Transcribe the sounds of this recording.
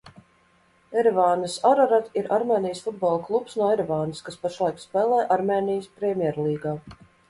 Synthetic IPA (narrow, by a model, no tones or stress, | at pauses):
ɛɾvaːnɨsaɾaɾat̪iɾaɾmʲeːnijəsfud̪̚bɔlˠklˠupsnuɔɛɾɛvaːnɨskaspaʃlˠajkspʲɛːlˠɛːjʔaɾmeːnijəspɾɛmʲjɛɾlˠiːɡaː